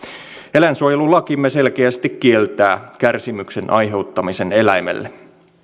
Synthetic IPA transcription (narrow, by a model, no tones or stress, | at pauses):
elænsuojelulɑkimːese̞lkeæst̪ikkie̞lt̪æːkærsimyksenʔɑjɦe̞wt̪ːɑmise̞ne̞læjmḛlːe